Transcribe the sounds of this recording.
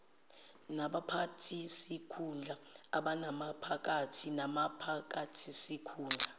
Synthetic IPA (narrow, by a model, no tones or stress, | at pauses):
naɓapʰatʰisikʰund͡ɮʱaaɓanamapʰak̬ʼatʰinamapʰak̬ʼatʰisikʰuːnd͡ɮʱa